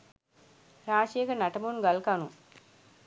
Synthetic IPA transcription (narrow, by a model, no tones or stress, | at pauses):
ɾaːʃijekənaʈəmunɡalkanu